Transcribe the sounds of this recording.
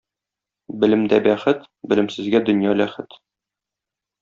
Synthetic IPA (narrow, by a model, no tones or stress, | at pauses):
bɘ̆lɘ̆md̪æbæχɘt̪ | bɘ̆lɘ̆msɘ̆zɡæd̪ɵ̆njɑlæχɘt̪